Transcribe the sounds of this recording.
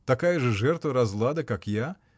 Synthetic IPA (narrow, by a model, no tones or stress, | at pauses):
t̪akajɐʐɨʐɛrt̪vɐɾazlˠad̪ɐkakja